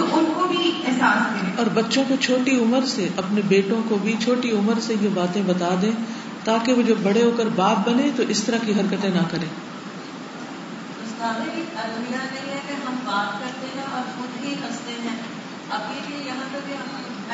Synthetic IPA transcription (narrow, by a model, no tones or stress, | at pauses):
t̪oʊnkobʱiɛɦsaːskɐɾẽɔːɾbɐtːʃõkot͡ʃʰoːʈiʊməɾseʔɐpnebeːʈõkobʱit͡ʃʰoːʈiʊməɾsejebaːt̪ẽbɐt̪aːd̪ẽː | t̪aːkeʋod͡ʒɐbːɐɽeoːkəɾbaːp̚bɐnẽt̪oʔɪst̪ɐɾakiɦɐɾkət̪ẽnɐkɐɾẽː | ʊst̪aːɾẽit̪aːlonijanɐiɦɛkeɦɐmbaːt̪̚kɐɾt̪eɦɛ̃ɔːɾxʊd̪biɦɐst̪eɦɛ̃ː | ɐpibijɐɦãt̪ɐbʱiɦɐm